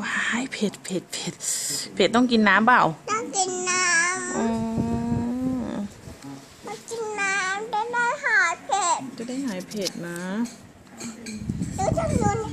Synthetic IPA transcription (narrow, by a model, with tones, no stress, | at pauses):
haː˦˧˩jpʰe˨˩t̪̚pʰe˨˩t̪̚pʰe˨˩t̪̚pʰe˨˩t̪̚t̪ːɔ˥˩˨ŋki˨nːaː˨˧˥mba˧˩˨wt̪ɔ˥˩˨ŋki˨nːaː˧˥mʔɯː˧ | ma˧˦ki˨nːaː˧˥mda˧˩da˥˩jɦa˨˩˦jpʰe˨˧˩t̪̚t͡ɕa˧˦da˥˩jɦaː˨˦jpʰe˨˧˩t̪̚na˧˦˧ | t̪ɯː˧˦t͡ɕa˧mnu˧˥ə˨n